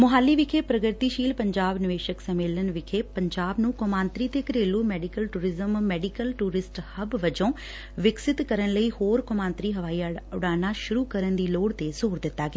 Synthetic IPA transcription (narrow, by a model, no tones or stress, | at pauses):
mʊɦaːlːiːʋɪkʰeːpɾəɡəɾt̪iːʃiːlpəɲd͡ʒaːbnɪʋeːʃəksəmeːlənʋɪkʰeːpəɲd͡ʒaːbnũːkʊmãːnt̪ɾiːt̪eːkəɾeːluːmɛːɖɪkəlʈuːɾɪzəmːɛːɖɪkəlʈuːɾɪsʈhəbʋəd͡ʒõː | ʋɪksɪt̪kəɾənləiːhoːɾkʊmãːnt̪ɾiːɦəʋaːiaʊɽaːnaːʃʊɾuːkəɾənd̪iːloːɽt̪ezoːɾd̪ɪt̪ːaːɡaː